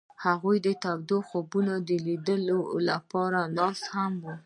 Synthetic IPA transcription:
haɣujd̪ət̪abd̪oxobunad̪əlid̪əlolapɑɾanɑshamwu

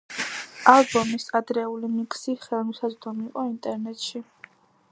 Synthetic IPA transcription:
alˠbɔmisad̪ɾɛulimiksiχɛlˠmusazd̪ɔmiːqʼɔint̪ʼɛɾnɛt̪ʃi

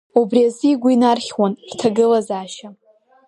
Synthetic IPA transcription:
ubriaziːɡʷʊinarχʲwanrtʰaɡɨlazaːʃa

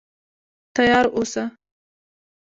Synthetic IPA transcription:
t̪ajɑɾosa

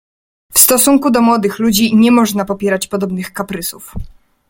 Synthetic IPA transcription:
fst̪ɔsuŋkud̪ɔmwɔd̪ɘxlud͡ʑiɲɛmɔʐnapɔpʲjɛɾat͡ɕpɔd̪ɔbnɘxkapɾɘsuf

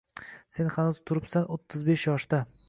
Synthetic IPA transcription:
se̞nhanʊz̥t̪ʰʊɾɪpsanot̪ʰːɪzbe̞ʃjɒʃd̪a

